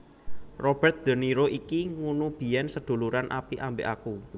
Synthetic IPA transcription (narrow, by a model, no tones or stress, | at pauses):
rob̥ɛrt̪̚d̪̥ə̤niɾoʔikiŋunub̥i̤jɛnsəd̪̥o̤luɾanʔa̰piʔambḛʔaku